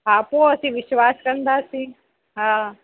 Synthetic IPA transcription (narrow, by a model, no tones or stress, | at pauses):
aːpõɐsĩʋɪʃwaːskəɾənd̪asĩː | ɦãː